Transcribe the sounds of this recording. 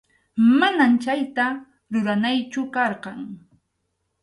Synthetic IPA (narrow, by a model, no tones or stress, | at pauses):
manamt͡ʃajt̪a | ɾʊɾanajt͡ʃʊkɑɾqɑŋ